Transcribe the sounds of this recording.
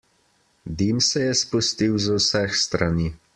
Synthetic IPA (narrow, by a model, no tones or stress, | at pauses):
d̪imsɛjɛspust̪iwzwsɛxst̪ɾaniː